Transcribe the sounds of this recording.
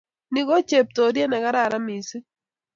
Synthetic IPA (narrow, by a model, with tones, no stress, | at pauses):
ni˨ko˦t͡ʃe˨p̚to˨dje˦nɛ˨ka˦ɾa˦˨ɾa˦mi˨si˦